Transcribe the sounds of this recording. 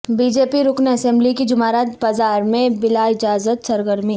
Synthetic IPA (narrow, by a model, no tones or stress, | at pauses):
bid͡ʒeːpiɾʊknɐsɛ̃mblikid͡ʒʊmaːɾat̪baːzaːɾmẽbɪlaɪd͡ʒaːzət̪sɐɾɡəɾmi